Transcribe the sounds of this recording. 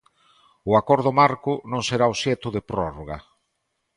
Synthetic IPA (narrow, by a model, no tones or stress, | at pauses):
ʊakɔɾðʊmaɾkʊnõŋseɾaosjɛt̪ʊðepɾɔroɣa